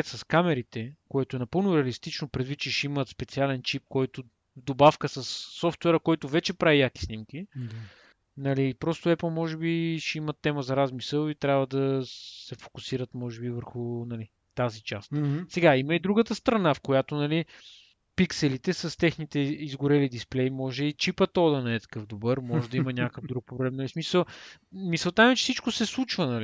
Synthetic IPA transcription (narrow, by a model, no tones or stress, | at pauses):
t̪sɐskamɛɾit̪ɛkoɛt̪oɛnɐpɤlˠnʊɾɛɐlist̪it͡ʃnopɾɛd̪vit̪t͡ʃɛʃimət̪spɛt̪sialɛnt͡ʃip̚kɔjt̪o | vd̪obafkəsɐsːɔft̪wɛɾəkɔjt̪ʊvɛt͡ʃɛpɾaijaki̥snimki | nɐliːpɾɔst̪oɛplˠmɔʒɛbiʃɛimət̪ːɛməzɐɾazmisəlˠit̪ɾʲabvəd̪ɐsɛfo̥kusiɾət̪mɔʒɛbivəɾxʊnɐli | t̪azit͡ʃast̪sɛɡaiməid̪ɾuɡət̪əst̪ɾɐnafkojat̪onɐli | piksɛlit̪ɛsɐst̪ɛxnit̪ɛizɡʊɾɛlid̪isplɛimɔʒɛit͡ʃipət̪ɔd̪ɐnɛɛt̪ɐ̥kɤfd̪obɤɾmɔʒɛd̪ɐiimɐnʲakkəvd̪ɾuk̚poblɛmnɐlismisəlˠmisəlˠt̪amimɛt͡ʃɛ̥sit͡ʃkosɛslˠut͡ʃvənɐli